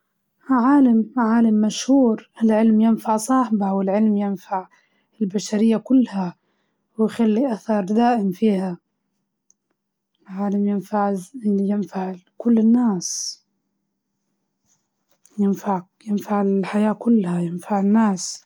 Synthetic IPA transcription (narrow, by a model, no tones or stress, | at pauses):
ʕaːlamʕaːlamːaʃhuːɾɪlʕɪlmjɪnfaʕsˤɑːħbawɪlʕɪlmjɪnfaʕ | ɪlbaʃaɾɪjːakʊlːha | wɪjxalːiʔaθɑɾˤd̪aːʔɪmfiːha | lʕaːlamjɪnfaʕjɪnfaʕkʊlːɪnːaːs | jɪnfaʕ | jɪnfaʕɪħajaːkʊlːhajɪnfaʕɪnːaːs